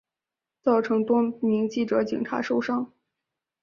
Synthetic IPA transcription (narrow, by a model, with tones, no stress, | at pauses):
t͡sɑ˥˩ʊʈ͡ʂʰɤ˧˥ŋt̪wɔ˥mi˧˥ŋt͡ɕi˥˩ʈ͡ʂɤ˧˥t͡ɕḭ˨˩ŋʈ͡ʂʰa̰˧˥ʂo˥˧ʊʂɑ˥˩ŋ